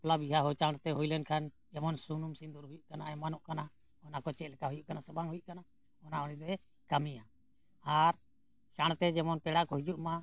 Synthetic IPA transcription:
labiɦaɦɔt͡ʃaɽ̃t̪ɛɦujlɛnkʰan | d͡ʒɛmɔnsunumsind̪uɾɦujuʔkanaɛmanɔʔkana | ɔnakɔt͡ʃɛʔlɛkaɦujuʔkanasəbaŋɦujuʔkana | ɔnaɔniɾɛ | kamija | aɾ | t͡ʃaɽ̃t̪ɛd͡ʒɛmɔnpɛɽakɔɦid͡ʒuʔma

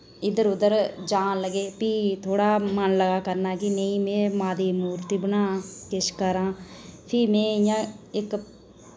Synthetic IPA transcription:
ɪd̪əɾʊd̪əɾd͡ʒãːləɡeːpiːt̪ʰoːɽaːmənləɡaːkəɾnaːkɪnəĩːmẽːmãːd̪eːmuːɾt̪iːbənaːkɪʃkəɾãːpʰɪːmẽːɪjãːɪk

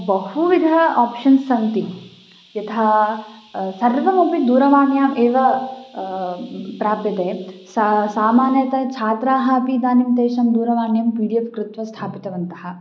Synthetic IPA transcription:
bɐɦuʋid̪ʱɐaːpʂɐnsɐnt̪i | jɐt̪ʰaː | sɐɾʋɐmɐpid̪uːɾɐʋaːɳjaːmʔeːʋɐ | pɾaːpjɐt̪eːsɐsaːmaːnjɐt̪ɐt͡ʃʰaːt̪ɾaːɦɐɐpid̪aːnimt̪eːʃɐmd̪uːɾɐʋaːɳjɐmpiːɾjɐkkɾut̪ʋɐst̪ʰaːpit̪ɐʋɐnt̪ɐhɐ̆

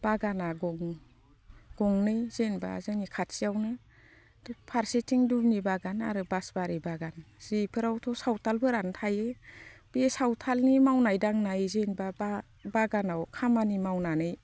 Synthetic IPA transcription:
b̥aɡanaɡɔŋ | ɡ̥ɔŋnɯjzenba̰a̰zɯnikʰat̚siawnɯ | dɔpʰaɾsetiŋdubnibaɡana̰ɾɯbasbaɾɯbaɡanz̥ipʰɯɾawtʰɔsawtʰalbɯɾantʰajeb̥iesawtʰalnimawnajdaŋnajzenbaba | baɡanawkʰamanimawnanɯj

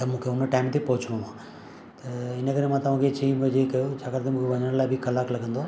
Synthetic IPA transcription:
t̪ɐmũːkʰeʊnəʈaːɪmt̪ʰepɐɦʊt͡ɕʰɽ̃õʋãː | t̪ɐɪnəkɐɾemãːt̪ɐʋ̤ãːkʰet͡ɕiiːmd͡ʑekɐjot͡ɕʰaːkɐɾt̪ʰemũːkʰeʋɐɲəɽ̃laːɪbʱɪkɐlaːklɐɡʱə̃nd̪oː

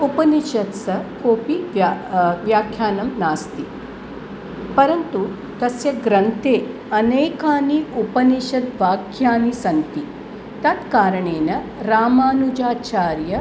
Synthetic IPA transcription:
upɐniʃɐt̪sɐkoːpiʋaʋjaːkʰjaːnɐmnaːst̪i | pɐɾɐnt̪u | t̪ɐsjɐɡɾɐnt̪eː | ɐneːkaːniupɐniʃɐd̪ʋaːkʰjaːnisɐnt̪i | t̪ɐt̪kaːɾɐɳeːnɐɾaːmaːnud͡ʒaːt͡ʃaːɾjɐ

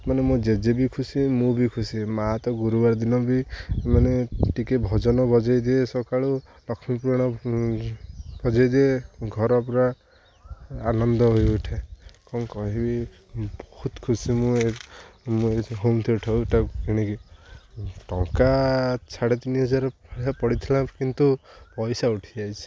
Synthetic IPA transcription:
manemũd͡ʒed͡ʒebikʰusimũbikʰusimaɦat̪ɔɡuɾubaɾd̪inɔbimaneʈikebʱɔd͡ʒɔnɔbɔd͡ʒajd̪iesɔkaɭu | lɔkʰɔmipuɾaɽ̃ɔ | b̥ɔd͡ʒajd̪ieɡʱɔɾɔpɔɾa | anɔnd̪ɔɦojuʈʰekɔnkɔɦibi | bɔhut̪kʰusimũemueɦomt̪ʰiʈʰaueʈaɡiɽ̃iki | ʈɔŋkasaɽet̪inɦɔd͡ʒaɾapɔɽit̪ʰilãkint̪upɔjsauʈʰid͡ʒajsʰi̥

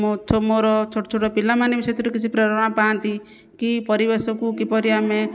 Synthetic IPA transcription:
mot͡ʃʰːomoɾɔt͡ʃʰoʈɔt͡ʃʰoʈɔpilamanebiset̪iɾukit͡ʃʰipɾɔɾɔɔɽ̃ɔpaant̪i | kipɔɾibesɔkukipɔɾiame

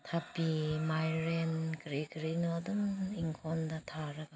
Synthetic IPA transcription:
t̪ʰapimajɾenkɾiɡɾinɔdɯŋiŋkʰɔnd̪at̪ʰaɾaɡa

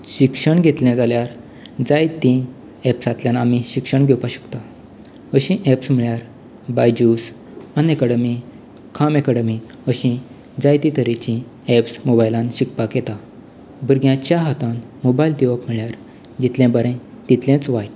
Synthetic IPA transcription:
ɕikʂəɳɡʱet̪ljɛ̃d͡zaljaɾ | d͡zajt̪ĩ | ɛpsat̪ljãnamiɕikʂəɳɡʱɛwpaɕə̥kt̪a | əɕĩʔɛpsm̤iɭjaɾ | bajd͡ʑus | ənekaɽəmi | kʰamekaɽəmi | əɕĩ | d͡zajt̪ĩt̪əɾit͡ɕĩ | epsmobajlãnɕikpakjet̪a | bəɾɡjãt͡ɕjaɦat̪ãnmobajld̪iʋəpm̤iɭjaɾ | d͡ʑit̪ljɛ̃bəɾẽ | t̪it̪lẽt͡sʋajʈ

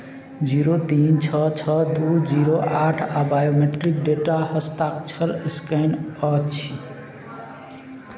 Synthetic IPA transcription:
d͡ʒiɾot̪int͡ʃʰʌt͡ʃʰʌd̪ud͡ʒiɾoʔaʈʰabajomeʈɾik̚ɖeʈahəst̪akt͡ʃʰəɾskənət͡ʃʰi

